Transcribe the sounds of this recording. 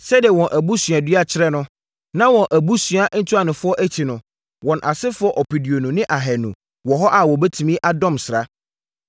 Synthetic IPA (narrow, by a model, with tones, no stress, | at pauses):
sɛ˦dɪ˨ɛ˨wɔ̃˨nʔæ˨bu˦sɥa˨dɥa˦t͡ɕʰɪ˦ɾɛ˦nʊ̃˦ | nã˦wɔ̃˨nʔæ˨bu˦sɥa˦n̩˦tʰu˦a˨nʊ̃˨fʊ˦ɔ˦ʔæ˦t͡ɕʰi˨nʊ̃˨ | wɔ̃˨nʔa˨sɪ˦fʊ˦ɔ˦ʔɔ˨pʰi˨di˨o˨nũ˨nɪ̃˦ʔa˨ɦɛ˨nṵ̃˨ | wɔ˨ɦɔ˦ʔa˨wɔ˨bɛ˦tʰu˨mĩ˦ʔa˦dɔ̃˦msɪ˨ɾa˦